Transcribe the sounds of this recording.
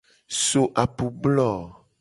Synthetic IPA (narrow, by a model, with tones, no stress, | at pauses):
so˨ʔa˨pu˨blɔ˦˨